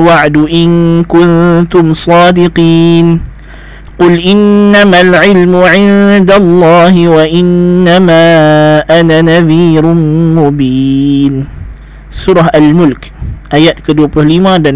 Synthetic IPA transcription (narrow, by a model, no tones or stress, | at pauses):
waʕd̪ʊʔɪnkʊnt̪ʊmsˤɑːd̪ɪqiːn | qʊlʔɪnːamalʕɪlmʊʕɪnd̪alˤːɑːɦɪwaʔɪnːamaːʔananaðiːɾmʊbiːn | sʊɾˤɑɦalmʊlkʔajat̪kad̪upɾʊhliːmad̪an